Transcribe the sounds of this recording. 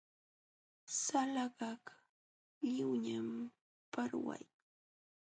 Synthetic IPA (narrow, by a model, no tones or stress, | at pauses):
salaɢɑk | ʎɪwɲam | paɾwa̰j